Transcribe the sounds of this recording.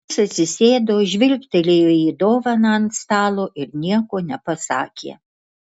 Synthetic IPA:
sɐt̪ʲsʲɪsʲeːd̪oːʒʲʋʲɪlʲkʲt̪ʲɛlʲeːjoːiːd̪oːʋɐnɐnt̪st̪ɑːlˠoːʔɪɾnʲiɛkoːnʲɛpɐsɑːkʲḛː

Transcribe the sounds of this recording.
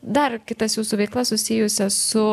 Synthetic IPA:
d̪ɐrkʲɪt̪ɐsjuːsuːʋʲɛɪklˠɐsʊsʲɪjʊsʲɛsʊ

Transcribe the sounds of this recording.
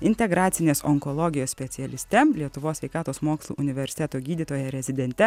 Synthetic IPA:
ɪnʲt̪ʲɛɡɾɑːt̪sʲɪnʲeːsɔŋkɔlˠɔɡʲɪjoːsʲsʲpʲɛt̪sʲɪɛlʲɪsʲt̪ʲɛlʲiɛt̪ʊʋoːsʲʋʲɛɪkɑːt̪oːsmoːkslˠṵːʔʊnʲɪʋʲɛɾʲsʲɪ̥t̪ʲɛt̪oːɡʲiːd̪ʲit̪oːjɛɾʲɛzʲɪd̪ʲɛnʲt̪ʲɛ

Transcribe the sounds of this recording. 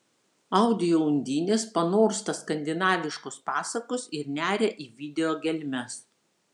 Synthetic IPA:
ɐʊd̪ʲɪjoʊnʲd̪ʲiːnʲeːspɐnoːɾst̪ɐskɐnʲd̪ʲɪnɑːʋʲɪʃkʊspɑːsɐkosɪɾnʲæːɾʲɛʔiːʋʲɪd̪ʲɛjoːɡʲɛlʲmʲɛs

